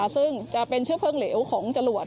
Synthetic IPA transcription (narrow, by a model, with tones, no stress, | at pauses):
sɯ˥˩ŋt͡ɕa˨˩ʔpe˧nt͡ɕʰɯ˥˩əpʰɤː˥˩ŋleː˩˦wkʰɔː˩˦ŋt͡ɕa˧lu˨˩ət̪̚